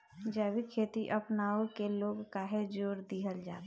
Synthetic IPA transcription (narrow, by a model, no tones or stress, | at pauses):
d͡ʒəːwikʰeːt̪iʔəpnaːokeloːɡkaɦed͡ʒoːɾd̪iɦəld͡ʒaːt̪ː